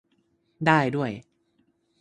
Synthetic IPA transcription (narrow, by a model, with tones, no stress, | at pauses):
daː˥˩jdu˥˩əj